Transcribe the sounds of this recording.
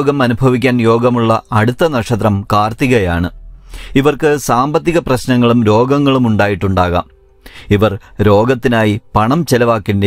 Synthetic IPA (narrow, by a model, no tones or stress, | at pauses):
ɡɐmɐnubʱɐʋikʲːaːnjo̞ːɡɐmuɭːɐɐɽut̪ːɐnɐʂɐt̪̬rɐmkaːrt̪iɣɐjaːɳɨiʋɐrkɨsaːmbɐt̪ːiɣɐprɐɕnɐŋːɐɭumɾo̞ːɡɐŋːɐɭumuɳɖaːjiʈːuɳɖaːɣa̰ːm | iʋɐrɾo̞ːɡɐt̪ːinaːjipɐɳɐmt͡ɕelɐʋaːkːinde